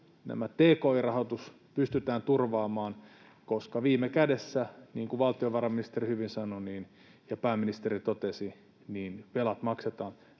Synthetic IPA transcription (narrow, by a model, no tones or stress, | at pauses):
næ̰mæt̪eːkoːirɑhot̪us | pyst̪yt̪æːnt̪urʋɑːmɑːn | koskɑʋiːmekædesːæniːŋkuʋɑlt̪ioʋɑrɑminist̪erihyʋinsɑnoniːn | jɑpæːmːinist̪erit̪ot̪esi | niːnʋelɑt̪mɑkset̪ɑːn